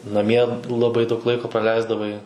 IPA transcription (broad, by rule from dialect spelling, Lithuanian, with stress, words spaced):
nɐˈmʲiɛ lˠɐˈbɐɪ dɐʊk ˈlˠɐɪkoː prɐˈlʲɛɪzdɐʋɐɪ